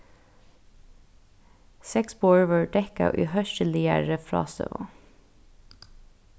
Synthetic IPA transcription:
sɛksbɔɹʋəɹɖɛkɑ̰ʔʉ̰ːhœʃəlɪəɹəfɹɑ̰ːsə̰ʋo̰

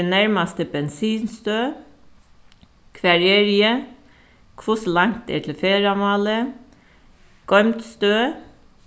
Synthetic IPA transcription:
næɹmɑst̪əbɛnsiːnst̪øː | kʰʋɑɹeɹɪə | kʰʋʊslɑŋt̪ḛːt̪ʰl̩feːɾɑmɑːlə | ɡ̥ɔʏmt̪st̪øː

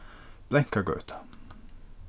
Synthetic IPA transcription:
b̥lɛŋkaɡœ̰ːt̪ʰɑ̥

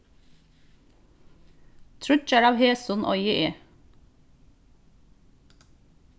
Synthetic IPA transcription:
t̪ʰɹʉt͡ʃæɹɑːʋheːsʊnʔɔ̰ʏəʔeː

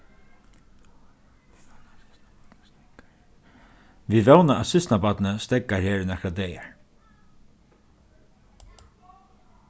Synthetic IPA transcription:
viʋɛwnaʔasɪst̪nabat̪nəst̪ɛkːaɾheːɹnɛhkɾad̪ɛːjaɹ

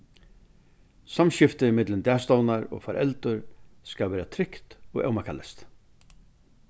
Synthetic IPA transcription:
samɕɪft̪ɪɪmɪt̪lɪnt̪æːst̪ɔwnaɾɔ̰ːɣfaɾʔɛ̰lt̪ʊɾskaʋɛːɾat̪ʰɾɪkt̪ɔ̰ɣɛ̰wmakʰalɛst̪

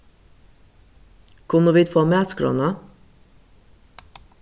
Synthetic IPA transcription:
kʰʊnəʋiːt̪foːmɛːskɾo̰ːnɑ

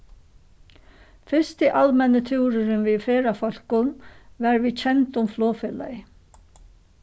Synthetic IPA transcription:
fɪst̪ɪʔalmɛnət̪ʰuwɾʏɾɪnviðfeːɾafɔl̥kʊmvaɾvit͡ɕʰɛnt̪ʊmflɔːfɪla̰

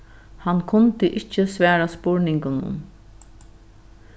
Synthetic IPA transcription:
hankʰʊnt̪ɪʔɪt͡ʃːəsʋæːɾaspʊɹnɪŋkʊnʊ̰n

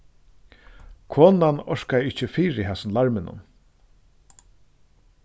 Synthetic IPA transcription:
kʰoːnanɔʂkajɪht͡ʃɪfiːɾɪɦɛsɪnlaɹmɪnʊ̰n

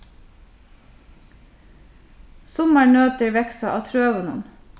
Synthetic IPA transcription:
sɔmɑɹɳøːt̪əɹʋɛksɑʔɑ̰ːt̪ʰɾøːʋʊnə̰n

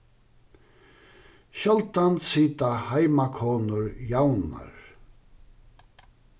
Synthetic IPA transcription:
ɕœlt̪ansiːt̪ahajmakʰɔːnʊɹjawna̰ɹ

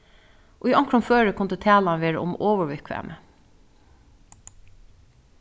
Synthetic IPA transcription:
ʔoːiʔɑŋkɹɔmføːɹəkʰʊnd̪eːt̪ʰæːlɑnʋeːɹə̰ʔʊ̰moːʋəɹbɛkʰʋæ̰ːmʔə

